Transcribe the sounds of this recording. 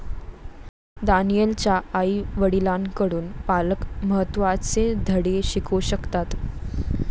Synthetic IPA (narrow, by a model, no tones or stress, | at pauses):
d̪anijelt͡ɕjaaiʋəɽilaŋkəɽuːnpaləkməɦət̪ːʋat͡sed̪ʱəɽeɕikʰuɕəkt̪at̪